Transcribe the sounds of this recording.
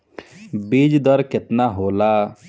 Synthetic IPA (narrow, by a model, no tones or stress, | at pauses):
biːd͡ʒd̪əɾkɪt̪naːɦoːlaː